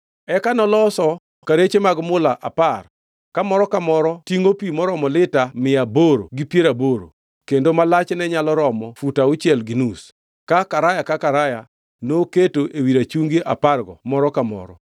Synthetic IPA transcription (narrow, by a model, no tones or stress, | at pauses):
ɛkanɔlɔsɔ | kaɾet͡ʃemaɡmʊlaʔʔapar | kamɔɾɔkamɔɾɔtiŋopimɔɾɔmɔlɪtamɪaboɾo̰ɡipjeɾaboɾo̰ | kendomalat͡ʃnɛɲalɔɾɔmɔfutaʊt͡ʃjɛlɡinus | kakaɾajakakaɾaja | noketoʔewiɾat͡ʃuŋɡiʔa̰parɡɔ̰mɔɾɔkamɔ̰ɾɔ̰